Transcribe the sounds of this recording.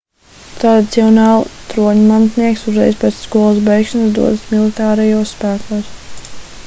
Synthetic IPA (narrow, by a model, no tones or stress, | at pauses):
t̪ɾad̪ʲit̪siɔnɑːlˠt̪ɾuɔɲumant̪niɛksuzɾɛ̰jzpʲɛːt̪sskuɔlˠasbɛjkʃansd̪ṵɔd̪smilˠit̪aːɾɛjuɔssːpæːkuːs